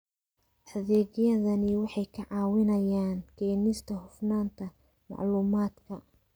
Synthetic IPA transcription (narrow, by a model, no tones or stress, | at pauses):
ħɐðɛːɣjɐðɐnɪwɑħɑjkʰɐʕɑːwɪnɐjaːnkʰɛːnɪst̪ʰɐhʊfnaːnt̪ʰɐ | mɑ̰ʕluːmaːd̪kʰɐ